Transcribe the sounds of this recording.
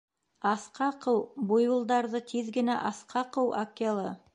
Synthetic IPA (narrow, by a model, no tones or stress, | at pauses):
ɑsqɑqɤwbujŭlˠd̪ɑɾðɤt̪ʰiðɡɘ̆næ̰ʔɑsqʰɑqɤwʔakʲːelˠɤ